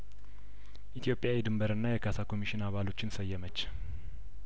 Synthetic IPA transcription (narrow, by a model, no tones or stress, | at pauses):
ʔit̪ʰijo̞pʼjawid̪ɨmbəɾɨnːajɛkʰasakʰo̞miʃinaβalo̞t͡ʃːɪnsəjːɛmət͡ʃː